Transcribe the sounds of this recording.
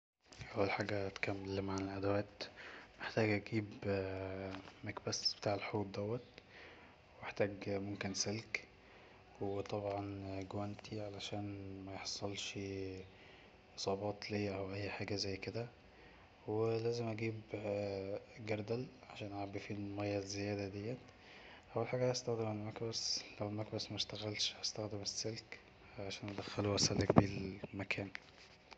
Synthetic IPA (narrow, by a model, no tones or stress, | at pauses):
ʔæwːælħaːɡæʔæt̪kæmːelmʕanelʔæd̪æwæːt̪meħt̪æːɡʔæɡiːb | mækbæsb̥e̥t̪aːʕelħoːd̪̚d̪ːæwːɑt̪̚ | weʔeħt̪æːɡmomkenselk | wet̪ˤɑbʕɑnɡwænt̪ʰiʕalæʃæːnmæjeħsˤːɑlʃ | ʔesˤɑːbɑːt̪liːʔæwʔæjːħaːɡæzæjːked̪æ | welæːzemʔæɡiːb | ɡæɾd̪ælʕaʃæːnʔæʕabifiːlmæjːæzejæːd̪æd̪ejːæ | ʔæwːælħaːɡæhhæst̪æxd̪emalmækbæslæwelmækbæsmæʃt̪æɣælʃhæst̪æxd̪emesːelk | ʕalæʃæːnʔæd̪æxːæluʔæsælækbiːlmækʰæːn